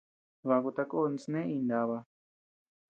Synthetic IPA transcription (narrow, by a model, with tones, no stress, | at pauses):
βa˧ku˧t̪a˧ko˦˧ni˧snẽ˦ĩ˧nd̪a˧βa˧